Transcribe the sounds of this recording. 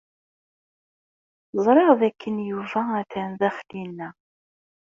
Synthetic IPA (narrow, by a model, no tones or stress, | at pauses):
zˤɾˤɑʁðækːənjuvææθænðæχlinːæ